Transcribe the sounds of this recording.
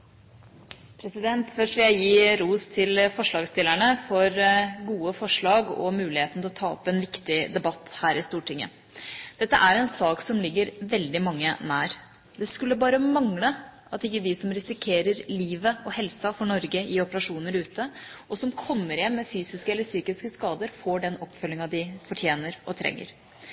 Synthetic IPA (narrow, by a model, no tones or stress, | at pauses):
pʰɾɛsɪd̪ɛnt̪fœʂʋɪljæɪjiːɾuːst̪ʰɪlfɔʂɭɑːɡst̪ɪlæɳəfɔɾɡuːəfɔʂɭɑːɡɔ̰mʉːlɪheːt̪nt̪ʰɛlɔt̪ʰɑːɔ̰pːɛnʋɪkt̪ɪd̪ɛbɑt̪ːhæːɾɪst̪uːʈɪŋːə̰ | d̪̥ɛt̪ːə̰ʔæɾɛnsɑːksɔmlɪɡːəɾʋɛld̪ɪmɑŋːənæːɾ | d̪ɛskʉlːəbɑːɾəmɑŋlə | ɑt̪ɪkːəd̪ɪsɔmɾɪsɪkʰeːɾəɾliːʋəɔhɛlsɑfɔɳɔɾɡəɪɔpəɾɑʂuːnəɾʉːt̪ʰəʔɔsɔmkʰɔmːəɾjɛnːɛfyːsɪskəɛlːəɾsyːkɪskəskɑːd̪əɾfoːɖɛnɔpfœlːɪŋɑd̪ɪfɔʈʰjeːnəɾɔ̰t̪ʰɾɛ̰ŋːə̰ɾ